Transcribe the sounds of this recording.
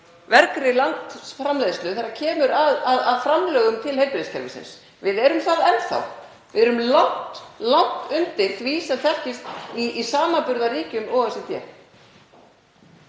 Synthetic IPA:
vɛɾkɾɪlant̪fɾamlejðɪst̪ʏθaɾːacʰɛːmʏɾaðaðaðfɾamlœːɣʏmt̪ʰɪlhejɾpɪɾɪscʰɛ̰ɾvɪsɪ̰ns | vɪðɛɾʏmθaðɛnθa̰w | vɪðɛɾʏmlawht̪lawht̪ʏnt̪ɪɾ̥θviːsɛθɛhcɪst̪iisaːmapʏɾðariːcʏmɔɣɛsɪt̪jɛ̰

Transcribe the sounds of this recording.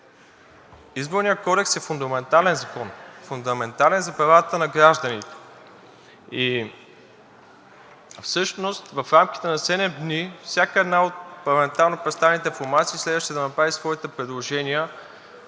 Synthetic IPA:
izboɾnijəkɔd̪ɛksɛfund̪ɐmɛnt̪alɛnzɐkɔnfund̪ɐmɛnt̪alɛnzɐpɾɐvat̪ənɐɡɾaʒd̪ənit̪ɛ̥ | i | fsɤʃnost̪vɐfɾamkʲi̥t̪ɛnɐsɛd̪ɛmd̪nifsʲjakəɛd̪naot̪̚pɐɾlˠɐmɛnt̪alˠnopɾɛt̪st̪avɛnit̪ɛifoɾmat̪siːslɛd̪vɐəʃt̪ɛd̪ɐnɐpɾavisvɔit̪ɛpɾɛd̪lˠoʒɛniə

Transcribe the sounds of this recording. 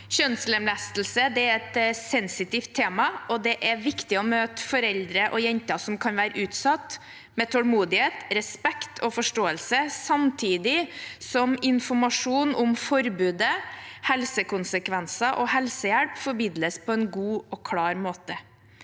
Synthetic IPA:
ɕœnsləmlæst̪l̩səd̪ɛæɾɛt̪sɛnsɪt̪ɪft̪ʰːeːmɑɔd̪ɛʔæɾʋɪkt̪ɪɔmøːt̪ə̥fɔɾɛld̪ɾəʔɔjɛnt̪ɑsɔmkʰɑnʋæːɾəʉːt̪sɑt̪ | mɛt̪ʰɔlmuːd̪ɪheːt̪ɾɛspɛkt̪ʰɔfɔʂʈoːəlsəsɑmt̪ʰiːd̪ɪsɔmɪnfɔɾmɑʂuːnʊmfɔɾbʉːd̪əhɛlsəkʊnsəkʰʋɛnsɑʔɔhɛlsəjæɽpfɔɾmiːd̪ləspʰɔɛnɡuːɔkʰɽɑːɾmoːt̪ə

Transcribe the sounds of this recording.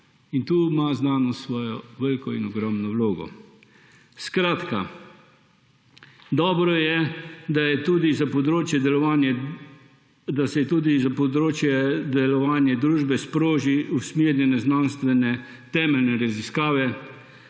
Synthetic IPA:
int̪uːmaznaːnɔsʋɔːjɔʋəlkɔinɔɡɾɔmnɔwloːɡɔ̰ | skɾaːt̪ka̰ | d̪ɔːbɾɔjɛd̪ajɛt̪uːd̪izapɔd̪ɾoːt͡ʃjɛd̪ɛlɔʋaːnjɛ | d̪asɛt̪uːd̪izapɔd̪ɾoːt͡ʃjɛd̪ɛlɔʋaːnjɛd̪ɾuːʒbɛspɾoːʒiusmiːɾjɛnɛznanst̪ʋɛnɛ | t̪ɛːmɛlnɛɾaziskaːʋɛ

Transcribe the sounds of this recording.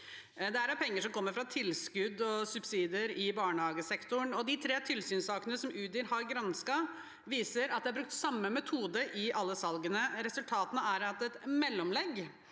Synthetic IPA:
d̪ɛæɾɑpʰɛŋːəʂɔmkʰɔmːəɾfɾɑt̪ʰɪlskʉd̪ːɔsʉbsiːd̪əɾɪbɑːɳəhɑːɡəsɛkt̪ʊɳɔd̪ɪt̪ʰɾeːt̪ʰɪlsyːnsɑːknəəsɔmʔʉːt̪d̪ɪɾhɑɾɡɾɑnskɑ | ʋiːsəɾɑt̪̚d̪ɛhɑbɾʉk̚t̪sɑmːəmɛt̪ʰuːd̪əʔɪʔɑlːəsɑlɡənəɾɛsʉlt̪ʰɑːt̪ənəæɾɑt̪ɛt̪mɛlːɔmlɛɡ

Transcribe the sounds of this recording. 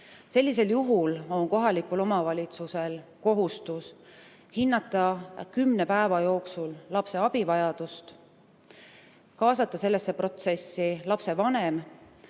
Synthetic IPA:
se̞lʲːis̬e̞ljuɦulo̞nko̞ɦɑlikulo̞mɑvɑlʲit̪suse̞lko̞ɦust̪us | hinːɑt̪ːˑɑkymne̞pæevɑjo̞ːksullɑpse̞ɑb̥ivɑjɑd̪̥ust̪ | kɑːsɑt̪ːˑɑse̞lːesːepro̞t̪se̞sːilɑpse̞vɑne̞m

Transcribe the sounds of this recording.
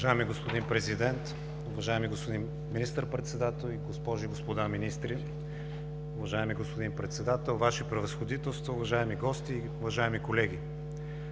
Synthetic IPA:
ʒaɛmiɡospod̪inpɾɛzid̪ɛnt̪ | ʊvɐʒaɛmiɡospod̪in | minist̪əɾpɾɛt̪sɛd̪at̪ɛlˠiɡospɔʒiɡospod̪aminist̪ɾi | ʊvɐʒaɛmiɡospod̪inpɾɛt̪sɛd̪at̪ɛlˠvaʃipɾɛvɐsxod̪it̪ɛlˠst̪vouvɐʒaɛmiɡɔst̪iːʊvɐʒaɛmikolɛɡʲi

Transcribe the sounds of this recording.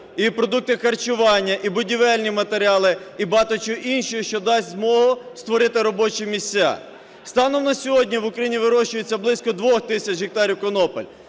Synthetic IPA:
ipɾɔd̪uk̚t̪ɪxɐrt͡ʃʊʋɑnʲːɐʔibʊdʲiʋɛlʲnʲimɐt̪eɾʲɑlˠɪibɑt̪ɔt͡ʃʊʔinʃɔjʊʃt͡ʃɔd̪ɑsʲtʲzmɔɦʊst̪ʋɔɾɪt̪ɪɾɔbɔt͡ʃɪmʲisʲa̰ | st̪ɑnɔmnɐsʲɔɦɔdʲnʲiʋʊkɾɐjinʲiʋɪɾɔʃt͡ʃʊjʊt͡sʲːɐblˠɪsʲkɔd̪ʋɔxt̪ɪsʲɐt͡ʃɦɪk̚t̪ɑɾʲiwkɔnɔpɔ̰lʲ

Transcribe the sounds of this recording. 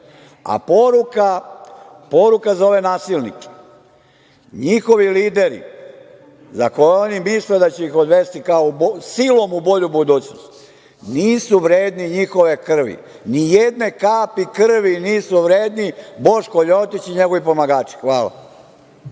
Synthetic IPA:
a̰poɾuka | po̞ɾukazo̞ʋe̞naːsilnḭke̥ | ɲixo̞ʋiliːd̪e̞ɾḭ | zakojeo̞nimisled̪at͡ɕeixod̪ʋe̞st̪ikaobsilˠo̞mubo̞ʎubud̪uːt͡ɕno̰st̪ | niːsuʋɾe̞ːd̪niɲixo̞ʋe̞kr̩ʋḭ | nijed̪ne̞kaːpikr̩ʋiniːsuʋɾeːd̪nibo̞ʃkoʎot̪it͡ɕiɲe̞ɡo̞ʋipo̞maɡaːt͡ʃi̥xʋaːla̰

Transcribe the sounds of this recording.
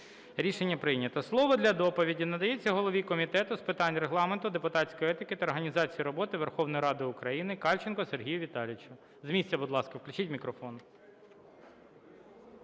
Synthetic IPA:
ɾʲiʃe̞nʲːɐpɾɪjnʲɐt̪ɐslˠɔʋɔd̪lʲɐd̪ɔpɔʋʲidʲinɐd̪ɐjet͡sʲːɐɦɔlˠɔʋʲikɔmʲit̪ɛt̪ʊspɪt̪ɑnʲreɦlˠɑment̪ʊd̪epʊt̪ɑsʲkɔjɛt̪ɪkɪt̪ɐɔɾɦɐnʲizɑt͡sʲijiɾɔbɔt̪ɪʋerxɔwnɔjiɾɑd̪ɪʊkɾɐjinɪkɑlʲt͡ʃenkɔserɦʲijʊʋʲit̪ɑlʲɪt͡ʃʊ | zmʲisʲt͡sʲːɐbʊd̪lˠɑskɐwklʲʊt͡ʃitʲmʲikɾɔfɔn

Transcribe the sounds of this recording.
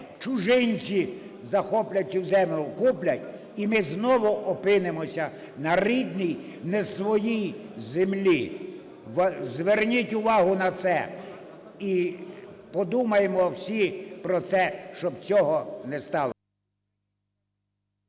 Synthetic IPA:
t͡ʃʊʒɪnʲt͡sʲi | zɐxɔplʲɐtʲːʊzɛmʲʊkuplʲɐtʲ | imɪznɔʋʊʔɔpɪnemɔsʲɐ | nɐrid̪nʲij | nɛsʋɔjijzemlʲi | zʋernʲitʲʊʋɑɦʊnɐt̪sɛ | i | pɔd̪umɐjemɔwsʲipɾɔt̪sɛʃt͡ʃɔbt͡sʲɔɦɔnɛst̪ɑlˠɔ

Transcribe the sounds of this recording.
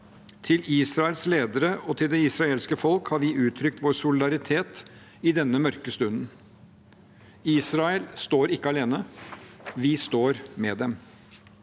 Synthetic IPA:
t̪ʰɪliːsɾɑəlsleːd̪əɾəɔt̪ʰɪld̪ɛɪsɾɑeːlskəfɔlkhɑɾʋɪʔʉːt̪ʰɾʏk̚t̪ʋoːɾsʊlɪd̪ɑɾɪt̪ʰeːt̪ | ɪd̪ɛnːəmœɾkəst̪ʉnən | iːsɾɑɛlst̪oːɾɪkːəɑleːnə | ʋɪst̪oːɾmɛd̪ɛm

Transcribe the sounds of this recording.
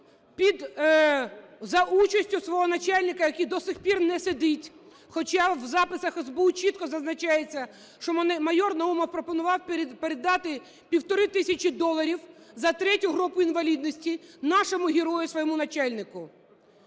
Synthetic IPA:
pʲid̪ | zɐʔut͡ʃɐsʲtʲʊsʋɔɦɔnɐt͡ʃɑlʲnɪkɐjɐkʲid̪ɔsɪxpʲirnɛsed̪ɪtʲ | xɔt͡ʃɑwzɑpɪsɐxezbout͡ʃit̪̚kɔzɐznɐt͡ʃɑjet͡sʲːɐ | ʃt͡ʃɔmmɐjɔrnɐumɔwpɾɔpɔnʊʋɑwpeɾed̪ɑt̪ɪ | pʲiwt̪ɔɾɪt̪ɪsʲɐt͡ʃid̪ɔlˠɐɾʲiwzɐt̪ɾɛtʲʊɦɾɔpʊinʋɐlʲid̪nɔsʲtʲinɑʃɔmʊɦʲɪɾɔjʊsʋɔjɔmʊnɐt͡ʃɑlʲnɪkʊ

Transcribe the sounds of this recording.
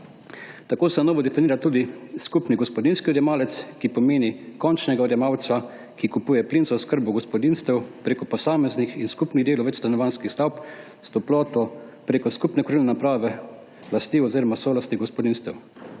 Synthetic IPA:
t̪akoːsɛnɔːʋɔd̪ɛfiniːɾat̪uːd̪iskupniɡɔspɔd̪inskiɔd̪jɛmaːlɛt̪skipɔmeːnikɔnt͡ʃnɛɡaɔd̪jɛmaːw̪sa | kikupuːjɛplinsɔskəɾbɔɡɔspɔd̪inst̪ɛwpɾeːkɔpɔsaːmɛznixinskupniɣd̪eːlɔʋɛt͡ʃst̪anɔʋanskixst̪awp | st̪ɔplɔːt̪ɔpɾeːkɔskupnɛkɾilɛnapɾaːʋɛ | last̪iɔziːɾɔmasɔlast̪iɡɔspɔd̪inst̪ɛw

